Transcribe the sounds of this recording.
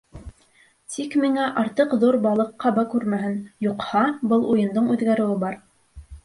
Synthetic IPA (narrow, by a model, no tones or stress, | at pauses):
t̪ʰikmiŋæʔɑɾt̪ɤqðuɾbɑlˠɤ̆qːɑbɑkʉɾmæɦɘnjuqhɑbɤlˠujɤ̆nd̪ɤɴʉðɡæɾɘ̆wɘbɑɾ